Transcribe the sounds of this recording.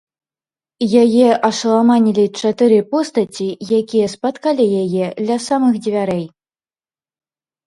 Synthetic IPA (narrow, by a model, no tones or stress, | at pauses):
jajɛʔɐʂɐlˠamanʲilʲit͡ʂat̪ɨɾɨpɔst̪at͡sʲijakʲijɛspat̪kalʲijajɛd̪lʲasamɨxd͡zʲivʲaɾɛj